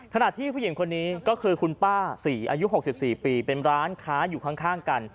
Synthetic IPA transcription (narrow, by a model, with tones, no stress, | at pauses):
kʰa˧na˨˩t̪ʰiː˥˩pʰuː˥˩˨i˨˩˦ŋkʰo˧nːiː˦kɔː˥˩kʰɯː˧kʰu˧npaː˥˩siː˩˦ʔa̰ː˧ju˦˥ɦo˨˩k̚si˨˩p̚siː˨˩piː˧pe˧nɾaː˦˥nkʰaː˦˥juː˨˩kʰa˦˥˩ŋkʰaː˥˩ŋka˧n